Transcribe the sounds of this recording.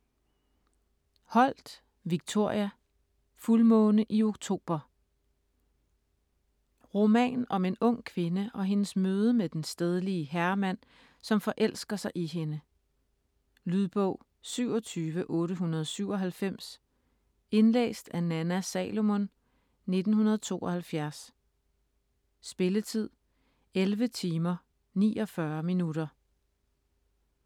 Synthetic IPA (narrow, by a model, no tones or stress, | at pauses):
hɒ̽l̰d̥ | ʋiɡ̥̚t͡sʰo̝ɐ̰jæ | fulmɔ̽ːnəʔio̝ɡ̥t͡sʰo̝̰ːb̥ɐ | ʁo̝mɛ̰ːnnɒ̽me̝nɔ̽ŋ̰kʰʋe̝nəʔɒ̽ɦe̝nəsmøːð̞ˠəmed̥ensd̥eð̞ˠəliəɦæɐɐmæn̰ | sɒ̽mfɒ̽ʔel̰sɡ̥ɐsɑ̈ɪʔiɦe̝nə | lyðˠb̥ɔʊ̰ | syʊ̰ɒ̽t͡sʰyːʋəʔɔ̽ːɾəɦunɐð̞ˠɒsyʊɒ̽ɦælfem̰s | e̝nlḛːsd̥ænænæsɛ̰ːlo̝mon | ne̝d̥n̩hunɐðˠɒt͡sʰo̝̰ːʔɒ̽hælfjæɐs | sb̥e̝lət͡sʰið̞̰ˠ | elʋət͡sʰiːmɐ | nḭːɒ̽fɶɐminuɾɐ